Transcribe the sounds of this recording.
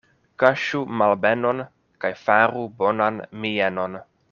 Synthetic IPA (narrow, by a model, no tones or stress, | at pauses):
kaʃumalbeno̞n | kajfaɾubo̞nanmieno̞n